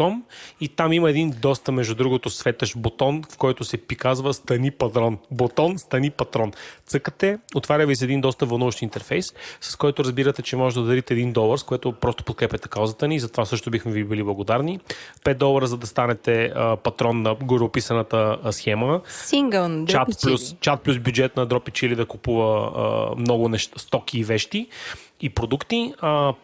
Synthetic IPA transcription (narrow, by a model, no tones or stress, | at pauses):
ɔmit̪amimɐɛd̪ind̪ɔst̪əmɛʒd̪ud̪ɾuɡot̪ʊsvɛt̪əʃbot̪ɔnfkɔjt̪ʊsɛpikazvəst̪ɐnipɐt̪ɾɔnbot̪ɔnst̪ɐnipɐt̪ɾɔnt̪sɤkət̪ɛot̪vaɾʲəvisɛd̪ind̪ɔst̪əvɐlˠnuvəʃt̪int̪ɛɾfɛjssɐ̥skɔjt̪ʊɾɐzbiɾət̪ɛt͡ʃɛmɔʒɛd̪d̪ɐd̪ɐɾit̪ɛːd̪ind̪ɔlˠəɾskojɛt̪opɾɔst̪o̥pot̪̚kɾɛpʲɐt̪ɛ̥kaʊzət̪əniːzɐt̪ovasɤʃt̪ʊbixmɛvibiliblˠɐɡod̪aɾnipɛt̪̚d̪ɔlˠɐɾəzɐd̪ɐst̪anɛt̪ɛəpɐt̪ɾɔnːɐɡoɾopisɐnɐt̪əsxɛməsiŋɡəlˠt͡ʃat̪t͡ʃplʲust͡ʃat̪̚plʲusbʲjud͡ʒɛt̪nɐd̪ɾɔpit͡ʃilid̪ɐkupuvə̰ | mnɔɡʊnɛʃt̪st̪ɔk̟iːvɛʃt̪iːpɾod̪ukt̪i